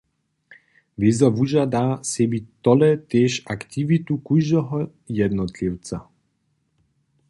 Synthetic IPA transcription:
vizɔvuʒad̪aːsɛbit̪ːɔlɛt̪ɛʃakt̪ivit̪ukuʒd̪ɔɦɔ | jɛd̪nɔt̪liwt͡sa

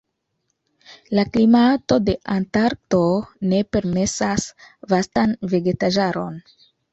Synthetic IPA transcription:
laklimato̞de̞ʔantaɾto̞ne̞pe̞ɾme̞sasvastanve̞ɡe̞taʒaɾo̞̰n

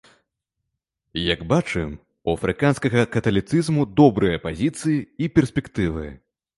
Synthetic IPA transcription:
jaɡbat͡ʂɨm | uɐfɾɨkanskɐɣɐkɐt̪ɐlʲit̪sɨzmud̪ɔbɾɨjɐpazʲit̪sɨjiipʲɛrsʲpʲɛkt̪ɨvɨ̰

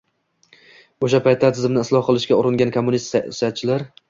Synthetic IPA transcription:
oʃapʰajt̪ʰːat̪ʰɪzɪmnɪɪslˠɒhqɨlˠɪʃkʲaʊɾɪŋɡʲankʰomːʊnist̪sjat̪̚t͡ʃʰːɪlaɾ

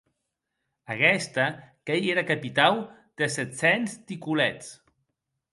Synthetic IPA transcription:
əkɛst̪akejeɾakapit̪awd̪̥əsɛt̪sɛnst̪ikulɛt͡s

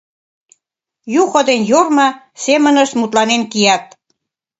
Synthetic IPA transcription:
juxod̪enjormɑ | semənəʃt̪mut̪lɑnenkijɑt̪̚

